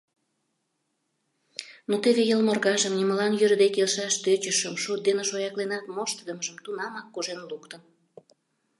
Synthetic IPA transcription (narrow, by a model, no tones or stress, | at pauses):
not̪eβejəlmərɣɑʒəmnʲiməlɑnjøɾd̪ekelʃɑʃt̪øt͡ɕəʃəmʃut̪̚d̪enəʃojɑklenɑt̪moʃt̪əd̪əməʒəmt̪unɑmɑkːoʒenlukt̪ən